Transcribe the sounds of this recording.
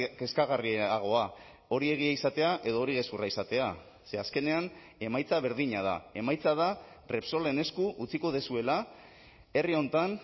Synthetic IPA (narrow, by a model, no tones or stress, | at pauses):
ke̞skaɣ̞ariaɣ̞o̞a | o̞ɾie̞ɣ̞iaisat̪e̞aʔe̞ðo̞ːɾiɣe̞skuraisat̪e̞a | se̞aske̞ne̞an | e̞majt͡saβ̞e̞ɾðiɲað̞a̰e̞majt͡saða | re̞pso̞le̞ne̞skuʔut͡siko̞ð̞e̞sue̞la | e̞rio̞nt̪an